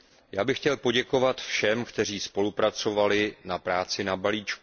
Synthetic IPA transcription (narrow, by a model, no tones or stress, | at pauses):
jaːbɪxcɛlpo̞ɟɛko̞vat̪fʃɛmkt̪ɛr̝iːspo̞lupɾat͡so̞valɪnapɾaːt͡sɪnabaliːt͡ʃku